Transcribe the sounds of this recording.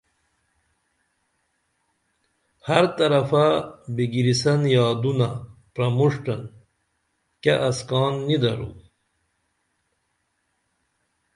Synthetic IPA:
hɐɾt̪ɐɾɐfabiɡiɾisɐnjɑːd̪unapɾɐmuʂʈɐn | keʔɐskɑːnːid̪ɐɾṵ

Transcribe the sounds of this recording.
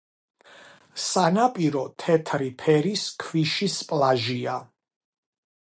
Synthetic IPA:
sanapʼiɾɔt̪ʰɛt̪ʰɾipʰɛɾiskʰviʃispʼlˠaʒia

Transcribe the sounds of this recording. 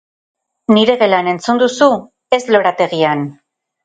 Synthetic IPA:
niɾe̞ɣe̞lane̞nt͡sund̪usu | e̞zlo̞ɾat̪e̞ɣian

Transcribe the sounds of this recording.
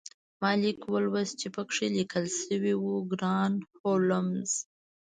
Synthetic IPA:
mɑlikwəlwast͡ʃepəkʂelikəlsəwiwuɡɾɑnholəmz̥

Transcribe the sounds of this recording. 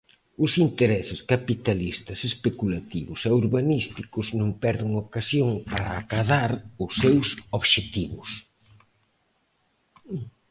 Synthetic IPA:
ʊsint̪eɾɛsɪskapit̪alist̪ɐsespekulat̪iβʊsɛuɾβanist̪ikʊznõmpɛɾðɪŋokasjoŋpaɾaːkaðaɾʊsːewsoβʃet̪iβʊ̰s

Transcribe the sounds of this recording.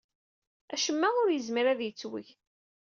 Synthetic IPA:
æʃəmːæʊɾjəzmiɾæðjət͡sːwə̰ç

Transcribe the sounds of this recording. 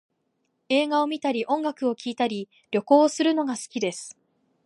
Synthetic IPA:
e̞ːɡao̞mʲit̪aɾʲiʔõ̞ŋɡakɯ̟o̞kʲiːt̪aɾʲi | ɾʲo̞ko̞ːsɨɾɯ̟no̞ɡasɨ̥kʲid̪e̞sɨ̥

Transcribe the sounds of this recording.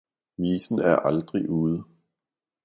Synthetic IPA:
niːsn̩æɐʔɑld̥ʁiʔuːð̩ˠ

